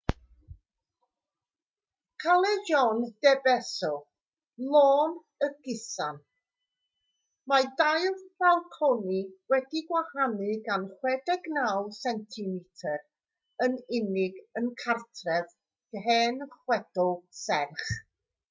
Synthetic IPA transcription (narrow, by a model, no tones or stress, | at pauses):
kʰalˠɛjɔnd̥ɛbɛsɔ | lˠoːn | əɡ̥ɪsan | madajvbalˠkʰɔniwɛdiɡwahanɨɡanχwɛdɛɡnalˠsɛntʰɨmɪtʰər | ənɪnɪɡənkʰartʰrɛv | ɡ̥ɦɛːnχwɛd̥ɔlˠsɛrχ